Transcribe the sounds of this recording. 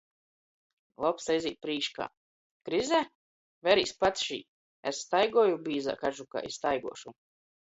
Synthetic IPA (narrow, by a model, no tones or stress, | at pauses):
lˠɔpsajzʲiːt̪̚pɾiːʃka̰ː | kɾizɛ | vɛɾiːspat̪sʃḭː | esːt̪ajɡɔɔjubiːza̰ːkaʒuka̰ːʔisst̪ajɡṵɔʃu